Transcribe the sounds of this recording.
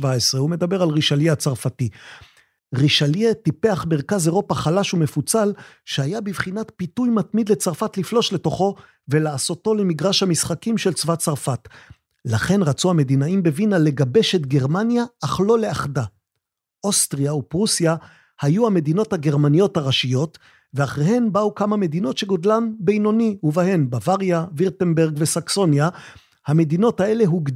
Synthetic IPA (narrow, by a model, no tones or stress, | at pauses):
vaesʁeume̞d̪abe̞ʁalʁiʃaljeat͡saʁfati | ʁiʃaljetipe̞aχmeʁkazeʁo̞paχalaʃume̞fut͡sal | ʃehajabivχinatpitujmat̪mid̪le̞t͡saʁfatliflo̞ʃle̞to̞χo̞ | ve̞laːso̞to̞lemiɡʁaʃhamisχakimʃe̞lt͡svat͡saʁfat | laχe̞nʁat͡suhame̞d̪inaimbe̞vinale̞ɡabe̞ʃetɡe̞ʁmanjaːχlo̞le̞aχda | ʔostʁiaupʁusja | hajuhame̞dino̞thaɡe̞ʁmanijo̞thaʁaʃijo̞t | veaχʁehe̞nbaukamame̞d̪ino̞tʃeɡodlambe̞jno̞niuvahe̞nbavaʁjaviʁtenbe̞ʁɡvesakso̞nja | hame̞d̪ino̞thae̞le̞ɦuɡ